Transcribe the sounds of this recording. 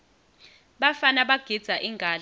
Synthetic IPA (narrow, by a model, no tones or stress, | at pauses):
ɓafanaɓaɡ̥ʱid̥z̥ʱaʔiŋʱaːl